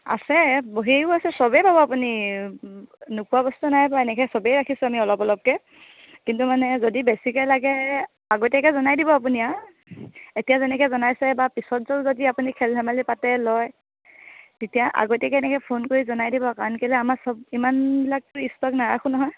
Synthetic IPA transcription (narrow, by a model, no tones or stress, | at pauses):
a̰sɛboɦiekuasɛsɔbɛpabɔapuni | nʊkuabɔstunajpaenɛkɛsɔbɛjɹakʰisʊamiɔlɔpɔlɔp̚kɛ | kintumanɛzodibɛsikɔjlaɡɛ | aɡotɛkɛzɔnajdibɔap̬unia | etijazɛnɛkɛzɔnajsɛbapisɔtzɔzodiapunikʰɛldʱamalipatɛlɔj | titijaʔa̰ɡotɛkɛnɛkɛpʰonkoɹizɔnajdibɔkaɹɔnkɛlɛamasɔb̚imanbilak̚tʊistɔknaɹakʰunɔɦɔj